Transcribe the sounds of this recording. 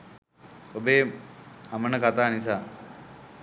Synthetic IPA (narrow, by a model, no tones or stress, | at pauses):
obeːamənəkat̪aːnis̬aː